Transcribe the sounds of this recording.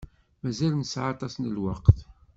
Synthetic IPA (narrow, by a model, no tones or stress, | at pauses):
mæzælnsʕɑt̪ˤɑsnəlwɑ̰qθ